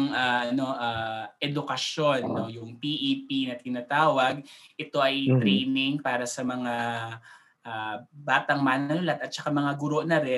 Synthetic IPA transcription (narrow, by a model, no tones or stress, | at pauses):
ŋaːʔɐno̞ʔaːʔɛd̪ʊkɐso̞nːo̞jʊŋpiʔipinɐt̪ɪnat̪aːwɐɡ̚ʔɛt̪o̞ʔɐjt̪ɾɛjnɪŋpaːɾɐsɐmɐŋa | ʔaːbaːt̪ɐŋmɐʔnɐlʊlat̪̚ɐt̪̚t͡ʃɐkamɐŋaɡʊɾo̞ʔnɐɾɛ